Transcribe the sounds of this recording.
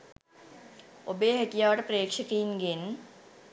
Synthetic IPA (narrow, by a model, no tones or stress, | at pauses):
obeːɦek̪ijaːʋəʈəpɾeːkʂəkiinɡen